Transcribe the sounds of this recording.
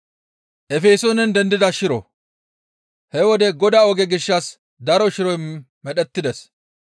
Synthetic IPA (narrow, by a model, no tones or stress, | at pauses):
ʔɛfeːsonɛnd̪ɛnd̪ɪd̪ɐʃɪɾɔ̰ | hɛwɔd̪ɛɡɔd̪aɔɡɛɡɪʃːɐs | d̪ɐɾɔʃɪɾɔj | mɛɗɛt̪ːɪd̪ɛs